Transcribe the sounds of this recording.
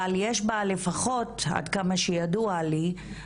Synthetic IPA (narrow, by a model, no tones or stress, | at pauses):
aljeʃbale̞faχo̞ta̰dkamaʃejaduali